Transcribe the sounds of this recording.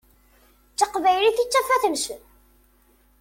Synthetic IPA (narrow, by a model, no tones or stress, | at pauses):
t͡sːəqvæjliθit͡sːæfæθəmsə